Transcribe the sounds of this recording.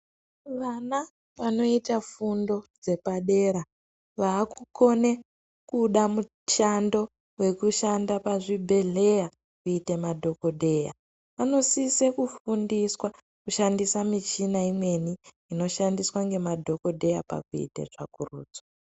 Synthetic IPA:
ʋana | ʋano̞itafundo̞d͡ze̞paɗe̞ɾa | ʋaːkuko̞ne̞ | kuɗamu | t͡ʃando̞ | we̞kuʃandapaʐibʱe̞ɮe̞ja | kuitemadʱo̞ko̞ɗʱe̞ja̰ | ʋano̞sisekufundiswa | kuʃandisamit͡ʃinaimwe̞niː | no̞ʃandiswaŋɡe̞madʱo̞ko̞dʱe̞japa̰kuḭtḛʐa̰kurṵːd͡zo

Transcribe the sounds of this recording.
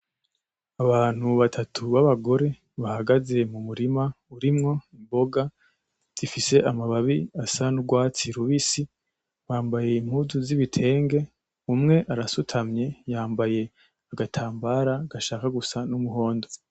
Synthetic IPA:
aβaːn̥huβatʰatʰuβaβaɡo̞ɾe̞ | βahaɡaze̞mumuɾima | uɾimŋo̞imbo̞ɡa | z̥ifise̞ʔamaβaβiasanuɡwaːt͡siɾuβisi | βaːmbaje̞im̥huzuziβitʰe̞ːŋɡe̞ | umŋe̞ʔaɾasutʰamɲe̞jaːmbaje̞ | aɡatʰaːmbaːɾaɡaʃaːkaɡusanumuɦo̞ːndo

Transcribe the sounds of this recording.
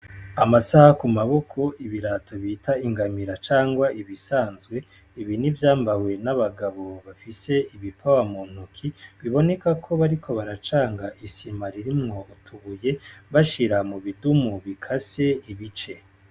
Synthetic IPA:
amasahakumaβo̞kʰo̞ʔiβiɾatʰo̞βitʰaiŋɡamiɾat͡ʃaːŋɡwaʔiβisaːnzɡwe̞ | iβinivjaːmbawe̞naβaɡaβo̞βafise̞iβipʰawamuːn̥hukʰiβiβo̞ne̞kakʰo̞βaɾikʰo̞βaɾat͡ʃaːŋɡaʔisimaɾiɾimŋo̞utʰuβuje̞βaʃiɾamuβidumuβikʰase̞iβit͡ʃe̞

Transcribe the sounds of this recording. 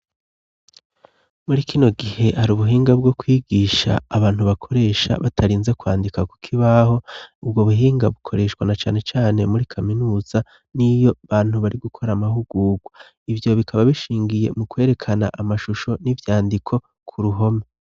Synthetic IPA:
muɾikʰino̞ɡihe̞haɾuːβuɦiːŋɡab̚ɡo̞kwiːɡiːʃa̰ːβaːn̥huβakʰo̞ɾe̞ːʃa̰βatʰaɾiːnzekwa̰ːndikaku̥kʰiβaɦo̞ub̚ɡoβuɦiːŋɡaβukʰo̞ɾe̞ʃkwanat͡ʃaːne̞t͡ʃaːne̞muɾikʰaminuːz̥a | nijo̞βaːn̥huβaɾiɡukʰo̞ɾamaɦuɡuːɡwa | ivjo̞βikʰaβaβiʃiːŋɡije̞̰mukwe̞ːɾe̞kʰana̰ʔamaʃuʃo̞nivjaːndikʰo̞ | kʰuɾuɦo̞me

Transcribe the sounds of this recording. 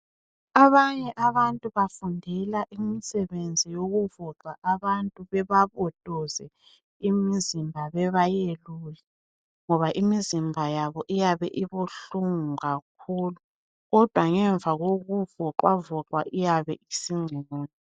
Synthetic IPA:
aβaɲɛʔaβantʼuβafundʱɛlaʔimisɛβend͡zʱijoɣuvɔǁwaʔaβantʼuβɛβaβɔtʼɔzɛ | imizimbʱaβɛβajelujɛ | ŋɔβaʔimizimbʱajaβɔʔijaβɛʔiβuɬuŋuɣak̚ʰuːlu | ɣɔd̥ʱwaŋɛɱvʱaɣoɣuvɔǃwavɔǁwa̰ʔijaβɛisiŋ͡ǀʱɛnɔːnɛ

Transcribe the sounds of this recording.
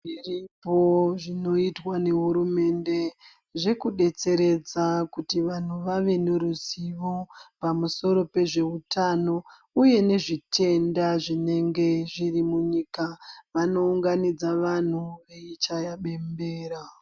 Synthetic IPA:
iripo̞ʐino̞itwane̞ɦuɾume̞nde̞ | ʐe̞kuɗe̞t͡se̞ɾe̞d͡zakutiʋan̤uʋaʋe̞ne̞ɾuziʋo̞pamuso̞ɾo̞pe̞ʐe̞utʰano̞ | uje̞ne̞ʐitʰe̞ndaʐine̞ŋɡe̞ʐirimuɲikaʋano̞uŋɡanid͡zaʋan̤uʋe̞it͡ʃajaɓe̞mbeːɾa

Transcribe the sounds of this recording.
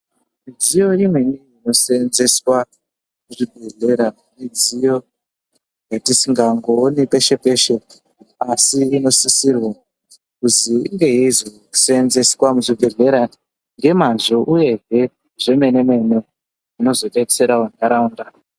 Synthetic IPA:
mid͡zijo̞imweiino̞seːnze̞swa | muʐibʱe̞ɮe̞ɾa | mid͡zijo̞ | jatisiŋɡaŋɡoːnipe̞ʃe̞pe̞ʃe̞ | asiino̞sisirwa | kuziiŋɡe̞jeizo | u̥seːnze̞swamuʐibʱe̞ɮe̞ɾa | ŋɡe̞manʐoʔuje̞ɦe̞ | ʐe̞me̞ne̞me̞ne | ino̞zo̞ɗetse̞ɾawunaɾaunda

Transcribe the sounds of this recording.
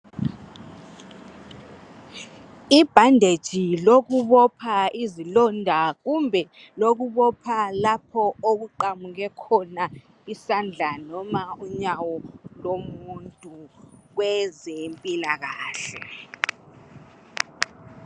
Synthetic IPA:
ib̥ʱandʱed̥ʒ̥ʱiloɣuβɔpʰaizilɔndʱaɣumbʱɛ | loɣuβɔpʰalapʰɔoɣuǃamuɣɛkʰɔna | isand͡ɮʱanɔmauɲawɔlomuntʼuɣwɛzempʼilaɣaːɬɛ̰

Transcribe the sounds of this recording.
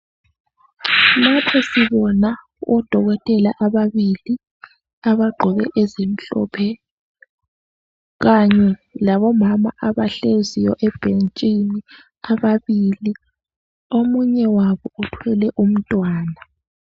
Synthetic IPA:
matʰɛsiβɔna | ʔɔd̥ʱɔɣɔtʼɛlaʔaβaβili | aβaɡ͡ǃʱɔβɛʔɛzem̩ɬɔ̰ːpʰɛ | ɣaɲɛlaβɔmama̰ʔaβaɬezijɔʔɛb̥ʱent͡ʃʼini | aβaβili | omuɲɛwaβɔutʰwɛlɛʔum̩tʼwaːna

